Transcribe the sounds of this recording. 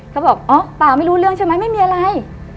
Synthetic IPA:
kʰa˦˥wbɔː˨˩k̚ʔɔː˦˥˩paː˨˩ma˥˩jɾuː˦˥lɯ˥˩əŋt͡ɕʰa˥˩ma˦˥jma˥˩jmiː˧ʔa˧ɾa˧j

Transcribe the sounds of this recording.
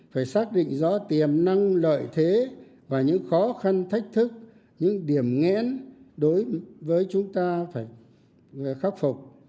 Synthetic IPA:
faː˧˩jsaː˦˥k̚ɗḭ̈˧˨ŋ̟zɔ̰˧˥t̪i˨˩əmna˧ŋlə̰ː˧˨jt̪ʰe˨˦ | vaː˨˩ɲɨ̰˧˥ŋxɔ˨˦xa˧nt̪ʰa˦˥jk̟̚t̪ʰɨ˦˥k̚ | ɲɨ̰˧˥ŋɗi˧˩əmŋɛ̰˧˥nɗo˨˦jvəː˨˦jt͡ɕʊ˨˦ŋ͡mt̪aː˧faː˧˩j | xa˦˥k̚fʊ˨˩k͡p̚

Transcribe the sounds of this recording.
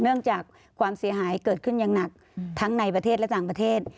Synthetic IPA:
nɯ˥˩əŋt͡ɕaː˨˩k̚ʰwaː˧msi˨˩˦ɐɦaː˩˦jkɤː˨˩t̪̚kʰɯ˥˩njaː˨˩ŋna˨˩k̚ | t̪ʰa˦˥ŋna˧jpɾa˧eː˥˩t̚lɛ˦˥t̪aː˨˩ŋpɾa˧t̪ʰeː˥˩t̪̚

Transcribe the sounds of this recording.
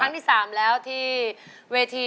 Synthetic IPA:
a˦˥ŋt̪ʰiː˥˩saː˩˦mlɛː˦˥wt̪ʰiː˥˩ | weː˧t̪ʰiː˧

